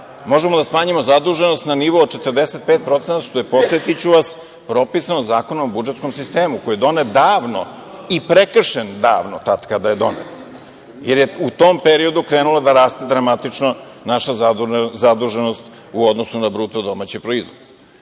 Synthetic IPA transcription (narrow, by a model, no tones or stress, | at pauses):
mo̞ʒemod̪asmaːɲimo̞zad̪uʒenost̪naniʋoːd̪̚t͡ʃe̞t̪ərd̪ese̞t̪̚pet̪̚pɾo̞t̪senat̪ʃt̪ojepo̞sʋet̪it͡ɕuʋas | pɾo̞pisanozaːko̞namobud͡ʒet̪sko̞msist̪eːmuko̞jed̪o̞ned̪aːʋno̰ | ipɾekr̩ʃend̪a̰ːʋnot̪at̪kad̪aje̞d̪o̞̰nḛt̪ | jeɾjeut̪ompeɾio̞d̪ukɾeːnulˠad̪aɾaːst̪ed̪ɾamat̪it͡ʂno | naʃazad̪uʒeno̞st̪ | uod̪nosunabɾut̪od̪o̞mat͡ɕepɾoizʋod̪de